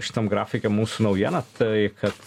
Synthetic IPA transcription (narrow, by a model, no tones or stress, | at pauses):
ʃʲɪ̥t̪ɐmɡɾɑ̰ːfʲɪkʲɛmmuːsunɐʊjiɛnɐt̪ʰɐɪkɐt̪